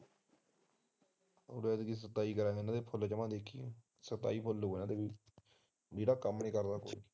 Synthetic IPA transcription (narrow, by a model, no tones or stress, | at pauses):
ə̰lɛːd̪ɡis̬ət̪ːaːiːkəɾãːɡɪnãːd̪eːpʰʊlt͡ʃəmãːd̪eːkʰːḭː | sət̪a̰ːiːpʰʊloːnãːd̪eːi | d͡ʒeːɽaːkəmːnĩːkəɾd̪aːko̰ːi